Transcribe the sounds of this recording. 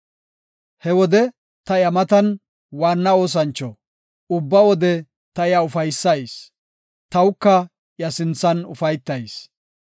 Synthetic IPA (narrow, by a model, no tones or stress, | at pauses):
hɛwɔd̪ɛ | t̪ɐjɐmɐt̪ɐn | waːnːɐo̞ːs̬ɐnt͡ʃːɔ | ʊbːɐwɔd̪ɛ | t̪ɐjɐʊfɐjsːɐjs | t̪ɐwkːɐ | jɐsɪnt͡sːɐnʊfɐjt̪ːɐjs